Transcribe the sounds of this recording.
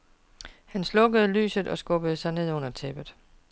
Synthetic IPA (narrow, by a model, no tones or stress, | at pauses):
hænslɔ̽ɡəð̞̩ˠly̰ːsð̩ˠɒ̽sɡ̥ɔ̽b̥əð̞̩ˠsɑ̈ɪne̝ð̞̰ˠɔ̽n̰ɐt͡sʰeb̥ð̩ˠ